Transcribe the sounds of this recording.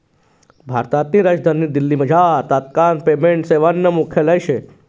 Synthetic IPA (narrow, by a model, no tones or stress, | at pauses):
bʱa̰ɾt̪at̪niɾad͡ʒd̪ʱanːid̪ɪlːiməd͡ʒʱaːt̪at̪̚kanpemeɳʈseʋanːəmukʰjələjʃe